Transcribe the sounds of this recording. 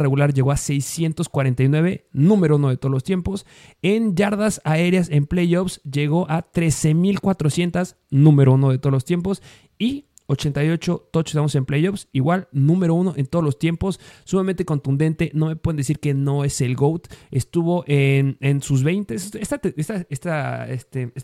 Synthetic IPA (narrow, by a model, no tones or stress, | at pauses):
reɣulaɾʝe̞ɣoase̞jsje̞nt̪o̞skwaɾe̞nt̪ajnwe̞βe̞nũme̞ɾouno̞ðe̞t̪o̞ðolost̪je̞mpo̞s | enɟ͡ʝaɾðasae̞ɾjase̞mplejopsʝeɣo̞ʔat̪ɾe̞se̞milkwat̪ɾo̞sje̞nt̪as | nũmeɾouno̞ð̞et̪olost̪je̞mp̬o̞s | i | o̞t͡ʃe̞nt̪ajo̞t͡ʃo̞t̪oosest̪amos̬e̞mplejopsiɣwalnũme̞ɾo̞uno̞ʔe̞nt̪o̞ð̞olost̪je̞mpo̞sːumãmẽnt̪e̞kont̪ũnd̪e̞nt̪e̞no̞me̞pweðnd̪es̬iɾke̞no̞e̞se̞lɡowt̪est̪uβo̞ʔenensuzβejnt̪esest̪at̪eest̪aest̪aest̪e